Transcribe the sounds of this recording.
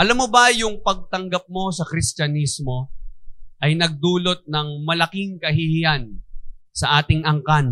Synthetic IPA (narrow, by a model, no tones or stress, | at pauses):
ʔɐlamːobɐjʊŋpɐɡ̚t̪ɐŋɡap̚mo̞sɐkɾɪst͡ʃɐnismo̞ | ʔɐjnɐɡ̚d̪uːlo̞t̪̚nɐŋmɐlɐkɪŋkɐɦɪhɪjansɐʔaːt̪ɪŋɐŋkan